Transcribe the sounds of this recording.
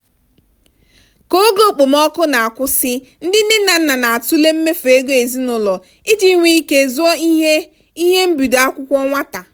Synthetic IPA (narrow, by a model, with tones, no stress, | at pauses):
ko˦ɡo˦˨k͡po˨m˦ɔ˦kʊ˦na˨a˨kʷʊ˦sɪ˦ | n̩˦dɪ˦n̩˦ɪ˦na˨n̩˦na˨na˨a˨tʊ˦le˦m̩˦me˦fe˨˦ɡo˦e˨zi˦nʊ˨lɔ˨ | i˦d͡ʒi˦ŋʷi˦i˦ke˨zu˦ɔ˦e˦ | i˦ɦe˦m̩˦bu˨do˨a˦kʷʊ˦kʷɔ˦ŋʷa˦ta˨